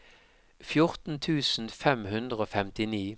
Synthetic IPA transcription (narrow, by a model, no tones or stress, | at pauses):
fjʊʁt̪n̩t̪ʰʉːsn̩fɛmhʉnd̪ʁəoːfɛmt̪ɪniː